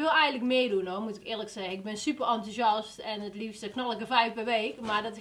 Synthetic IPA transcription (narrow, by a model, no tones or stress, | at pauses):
ʋɪlˠɛjɣəntləkmɪədunoːmutɪkɪːrləksɛɣəɪɡ̚bɪnsypərɑntusɑstɛnətlifstəknɑləkəfɛjfpɛɹʋejkmadɔt